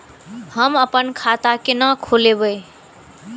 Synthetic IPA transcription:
həməpənkʰat̪akenəkʰolebəj

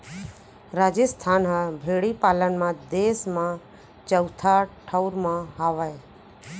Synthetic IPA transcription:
ɾaːd͡ʒəst̪ʰaːnɦəbʱeːɽipaːlənmãd̪eːsmã | t͡ʃəwt̪ʰaʈʰəʊɾmãɦaːʋae

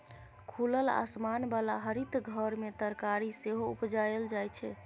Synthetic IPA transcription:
kʰuləla̰smanbalaɦəɾit̪ɡʱəɾmet̪əɾkaɾiseɦoupd͡ʒajəld͡ʒajt͡ʃʰɛ

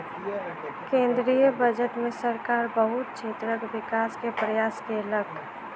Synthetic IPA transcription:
kẽːnd̪ɾijəbəd͡ʒəʈmẽsəɾkaːɾbəɦʊt̪̚t͡ʃʰeːt̪ɾəkʋɪkaːskepɾəjaːskeləɡ

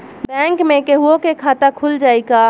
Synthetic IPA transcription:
bɛ̃ŋkmẽkeɦuokekʰat̪akʰuld͡ʒaːjka

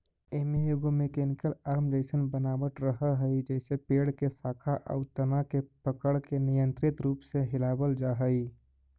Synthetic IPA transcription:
eːmejoːɡõmẽkeːnɪkəlaːɾmd͡ʒəɪsənbənaːbət̪ɾəɦəɦəid͡ʒɛːsepeːɽkesaːkʰaʔə̰ːt̪ənakepəkəɽkenɪjə̃nt̪ɾɪt̪ɾuːpseɦɪlaːbəld͡ʒaːɦəi

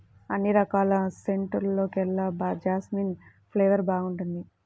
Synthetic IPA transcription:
ɐnːiɾɐkaːlɐseɳʈɐɾlo̞ːkɛlːɐbad͡ʒaːsmiːn | pʰleːʋɐɾbaːɡuɳʈund̪i

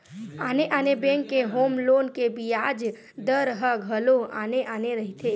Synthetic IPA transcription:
aːneʔaːnebẽːŋkːeɦoːmloːnkebijaːd͡ʒ | d̪əɾɦəɡʱəloa̰ːneʔaːneɾəɦit̪ʰe

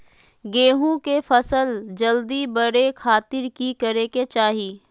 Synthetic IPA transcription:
ɡeːɦũkefʰɐsəld͡ʒəld̪ibəɽekʰaːt̪ɪɾkikɐɾeket͡ʃaːɦiː

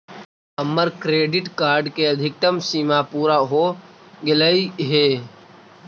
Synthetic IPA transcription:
əmːəɾkɾeːɖɪʈkaːɾɖkeəd̪ʱɪk̚t̪əmsiːmapuːɾaɦoɡɪləiɦeː

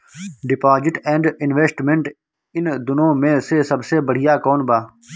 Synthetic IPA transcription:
ɖɪpaːzɪʈɛ̃ːɳɖɪnʋeːsʈmẽɳʈ | ɪnd̪ʊnõːmẽsesɐbsebəɽ̤ijaːkɔːnbaː

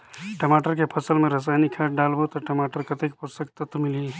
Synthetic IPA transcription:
ʈɐmaːʈəɾkepʰəsəlmẽɾəs̬aːjnikʰaʈɖaːlbot̪ɔʈɐmaːʈəɾkɐt̪ekpost̪ək̚t̪ɐt̪mɪli

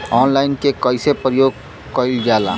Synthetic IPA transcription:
ɔːnlaːɪnkekəɪsepɾəjoːɡ̚ | kəɪld͡ʒaːla̰ː

